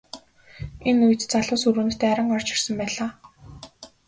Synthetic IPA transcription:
enuj̆t̪t͡saɮʊːsuɾuːnʰt̪ʰːeːaɾə̆ŋɔr̥t͡ɕɪ̆rsə̆mpæːɮaː

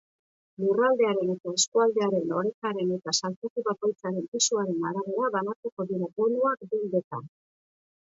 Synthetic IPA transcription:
lurald̪e̞aɾe̞ne̞t̪ae̞skuald̪e̞aɾe̞no̞ɾe̞kaɾe̞ne̞t̪asalt͡sekuβako̞jt͡saɾe̞mpisuaɾe̞naɾaβe̞ɾaβanat͡seko̞ðiɾabonuakd̪ind̪et̪an

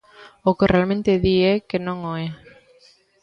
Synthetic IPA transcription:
okerealmẽnt̪eðiekenõŋoe

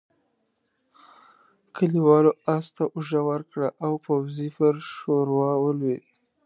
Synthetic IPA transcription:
kəliwɑloast̪aʔʊʒawəɾkɽaʔawpawzifəɾʃoɾwɑwəlwed̪

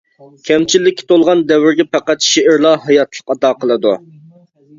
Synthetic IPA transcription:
kʲʰɛmt͡ʃʰilːɪkʲːi̥t̪ʰolˠʁɑnd̪ɛwɪɾɡʲɛpæqæt̪ʃeɪɾlˠɑɦɑjɑt̪ʰlˠəqːɑd̪ɑːqʰəlˠɨd̪u

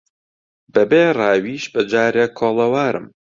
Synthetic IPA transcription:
bɐbeːraːwiːʃbɐd͡ʒaːɾekʰoːlˠɐwaːɾɨ̰m

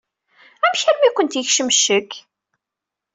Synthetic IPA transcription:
æmçæɾmikʷənt̪jəçʃəmʃək

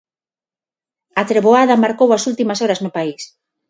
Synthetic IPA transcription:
at̪ɾeβoaðamaɾkowasult̪imasoɾaznopais

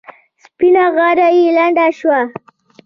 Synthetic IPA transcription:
spinaɣaɾajilaɳɖaʃwa

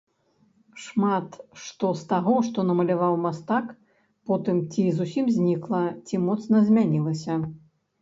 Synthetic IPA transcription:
ʂmat̪ʂt̪ɔst̪aɣɔʂt̪ɔnɐmɐlʲavawmast̪ak | pɔt̪ɨmt͡sʲizusʲimzʲnʲiklˠɐt͡sʲimɔt̪snɐzʲmʲanʲilˠɐsʲɐ

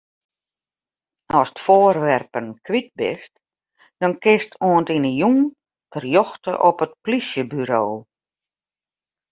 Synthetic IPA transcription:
ɔstfoːərʋɛrpənkʰʋit̚bɪ̰st | d̥ɔnkɪstʰoəntinəjuŋ | tʰərjɔxtə̰ʔɔpət̚plisjəbyɾoː

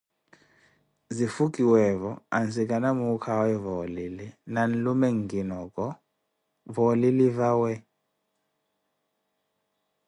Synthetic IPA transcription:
zifuk̬ʼiwɛvɔa̰nsik̬ʼanamukʰawɛvɔlilɛnan̩lumɛŋɡinɔkʼɔ | vɔlilivawɛ

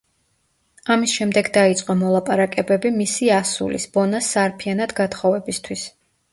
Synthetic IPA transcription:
amisʃɛmd̪ɛɡd̪ait̪sʼqʼɔmɔlˠapʼaɾakʼɛbɛbimisiasṵlḭsb̥ɔnasːaɾpʰianad̪ɡat̪χɔvɛbist̪ʰwis

